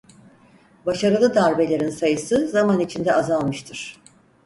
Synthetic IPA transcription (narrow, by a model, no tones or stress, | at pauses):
baʃaɾɯlˠɯd̪aɾbe̞lʲe̞ɾinsajɯsɯzamanit͡ʃʰind̪ɛazalˠmɯʃt̪ʰɯɾ̥